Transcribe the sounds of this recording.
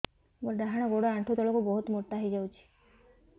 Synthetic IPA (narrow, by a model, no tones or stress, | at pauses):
bɔɾɖaɦaɽ̃ɔɡoɽɔaɳʈʰot̪ɔlɔkubɔɦut̪moɾt̪ːaɦijd͡ʒawt͡ʃʰi̥